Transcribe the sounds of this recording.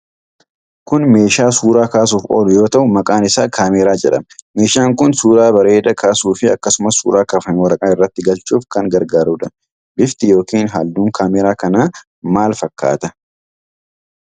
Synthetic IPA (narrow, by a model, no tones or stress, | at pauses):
kʊnme̞ːʃaːsuːɾaːkaːs̬uːfo̰ːlʊjo̞ːt̪ɐʔʊmɐkʼaːnɪsaːkʰaːmeːɾaːd͡ʒɛᶑɐ̰mme̞ːʃaːŋkʊnsuːɾaːbɐɾe̞ːd̪ɐkʰaːsuːfɪɐ̰kːɐsʊmɐsṵːɾaːkɐfɐnwɐɾɐkʼaːɪrːɐt̪ːɪɡɐlt͡ʃʼuːfkɐŋɡɐɾɡaːɾuːᶑɐn | bɪft̪ɪjo̞ːkiːnɦɐld̪uːŋkʰaːmeːɾaːkɐnaː | maːlfɐkːa̰ːt̪ɐ